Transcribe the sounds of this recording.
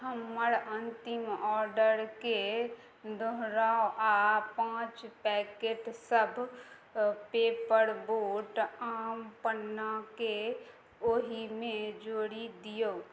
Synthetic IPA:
ɦəmːəɾənt̪ɪmɔːɾɖəɾke | d̪ʱoɦɾaːoʔapãːt͡ʃpɛːkeːʈsəbʱ | peːpəɾboːʈaːmpənːake | oːɦimẽd͡ʒoːɽid̪ijoː

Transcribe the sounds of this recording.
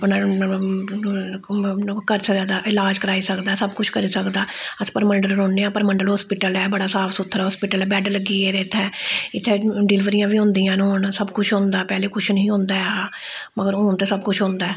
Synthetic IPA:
pna | kəɾsəɛːd̪aːʔɪlaːd͡ʒkəɾaːiːsəkd̪aːsəbkʊt͡ʃʰkəɾiːsəkd̪aːəspəɾməɳɖəlɾõːneːãːpəɾməɳɖəlɦɔːspɪʈəlɛːbəɽaːsaːpʰsʊt̪ʰːəɾaːɦoːspɪːʈəlɛːbɛːɖləɡiːeːɾeːt̪ʰːɛːɪt̪ʰːeːɖɪlɪʋəɾijãːʋiːɦʊ̃ːnd̪iːãːnoːɳsəbkʊt͡ʃʰɦõːnd̪aːpɛːleːkʊt͡ʃʰnəɦĩːɦõːnd̪aːaːməɡəɾõːnt̪eːsəbkʊt͡ʃʰɦõːnd̪aːɛː

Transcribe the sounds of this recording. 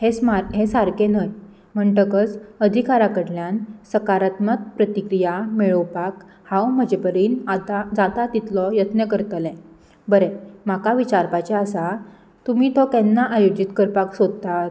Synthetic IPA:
hesmaɾɦesaɾkenəj | m̤əɳʈəkət͡səd̪ʱikaɾakəɽljansəkaɾat̪mət̪̚pɾət̪ikɾijameɭəwpak | hãwm̤əd͡ʑepəɾiːnat̪ad͡zat̪at̪it̪lɔjət̪nəkəɾt̪əlɛ̃ | bəɾemakaʋit͡ɕaɾpat͡ɕeəsa | t̪umiːt̪ɔkɛnːaʔajod͡ʑit̪kəɾpaksod̪̚t̪at̪

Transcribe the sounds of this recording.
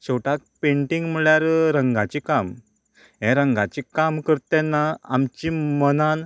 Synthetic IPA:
ɕoʈak̚peɳʈiŋɡm̤əɭjaɾɾəŋɡat͡ɕikam | ɦɛ̃ɾəŋɡat͡ɕikamkəɾt̪ɛnːaa̰mt͡ɕimənan

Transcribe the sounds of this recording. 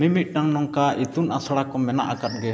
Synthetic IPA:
mimit̪̚ˀʈaŋnɔŋkaʔit̪unʔasaɽakɔmɛna̰ʔakat̪̚ɡɛ

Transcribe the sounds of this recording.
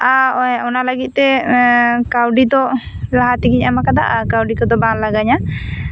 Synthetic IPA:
aɔɛɔnalaɡit̪̚ˀt̪ɛ | kawɖit̪ɔ | laɦat̪iɡiɲamakad̪a̰ʔakawɖik̪ɔd̪ɔbãlaɡaɲa

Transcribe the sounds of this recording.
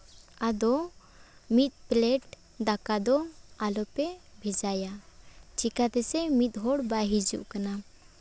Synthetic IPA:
ad̪ɔ | mit̪̚ˀplɛʈ | d̪akad̪ɔalɔpɛbʱɛd͡ʒajat͡ʃikat̪ɛsɛmit̪̚ɦɔɽbaɦid͡ʒṵʔkana

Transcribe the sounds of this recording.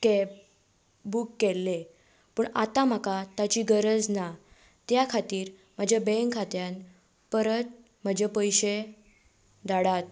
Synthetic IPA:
ke | bukːelːe | pəɳat̪am̤akat̪at͡ɕiːɡəɾəd͡zna | t̪jakʰat̪iːɾ | m̤ad͡ʑʱabɛ̃ŋkʰːat̪jan | pəɾət̪̚ | m̤əd͡ʑʱepəjɕe | d̪aɽat̪̚

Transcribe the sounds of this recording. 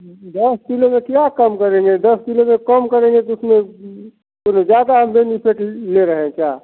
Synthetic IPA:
d̪əskilomẽkjakəmkəɾẽŋɡed̪əskilomẽkəmkəɾẽŋ̆ɡet̪ʊsmẽ | konod͡ʒjaːd̪aɦəmbenipʰeʈleɾəɦẽt͡ʃaː

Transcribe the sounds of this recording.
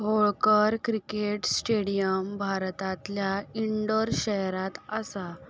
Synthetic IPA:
ɦoɭkəɾkɾikeʈsʈeɽijəmbʱaɾt̪ãt̪ljaiɳɖəɾɕəɦɾãt̪əsa

